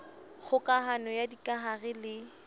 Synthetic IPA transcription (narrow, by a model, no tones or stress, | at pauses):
ɣʊkʼaɦanɔjadikʼaɦarɪlɪ